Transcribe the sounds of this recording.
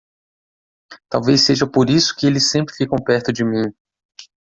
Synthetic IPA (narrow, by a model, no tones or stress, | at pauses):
t̪awveseʒɐpoɾisʊ̥kɪelɪsːẽmpɾɪfikɐ̃w̃pɛɾt̪ʊd͡ʒɪmĩ